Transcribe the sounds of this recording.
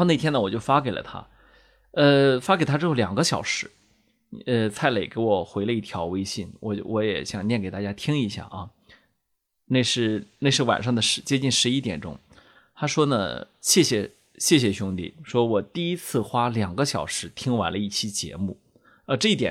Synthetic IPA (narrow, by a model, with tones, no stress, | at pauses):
ne˥˩ɪt̪ʰjɛ˥nə˨wɔ˨˩t͡ɕjo˥˩ʊfa˥ke˨˩ɪlə̰˨t̪ʰa̰˥ | ə˧fa˥ke˨˩t̪ʰa˥ʈ͡ʂɻ̩˥xo˥˩ʊljɑ˨˩ŋɡə˦ɕjɑ˨˩ʊʂɻ̩˧˥ | ə˧t͡sʰa˥˩ɪle˨˩ɪke˧˥ɪwɔ˨˩xwe˧˥ɪlə˧i˥˩t̪ʰjɑ˧˥ʊwe˥ɪɕi˥˩nwɔ̰˧˩˧wɔ˧˥jɛ̰˨˧˥ɕjɑ˨˩ŋnjɛ˥˩nke˨˩ɪt̪a˥˩t͡ɕja˥t̪ʰi˥ŋi˧˥ɕja̰˥˩ʔɐ˧˩ | ne˥˧ɪʂɻ̩˥˩ne˥˧ʂɻ̩˥˩wa̰˨˩nʂɑ˥˩ŋd̪ə˩ʂɻ̩˧˥t͡ɕjɛ˥t͡ɕi˥˩nʂɻ̩˧˥i˥t̪jɛ˨˩nʈ͡ʂʊ̰˥ŋ | t̪ʰa˥ʂwɔ˥nə̰˨ | ɕjɛ˥˩ɕjɛ˨˩ | ɕjɛ˥˩ɕ̬jɛ˨˩ɕʊ˥ŋt̪ḭ˥˩ʂwɔ˥wɔ˨˩t̪i˥˩i˥t͡sʰɹ̩˥˩xwa˥ljɑ˨˩ŋɡə˦ɕjɑ˨˩ʊʂɻ̩˧˥t̪ʰi˥ŋwa˧˥nlə˧i˥˩t͡ɕʰi˥t͡ɕjɛ̰˧˥mu˥˩ | ə˧˥ʈ͡ʂɤ˥˧i˥˩t̪jɛ̰˨˩n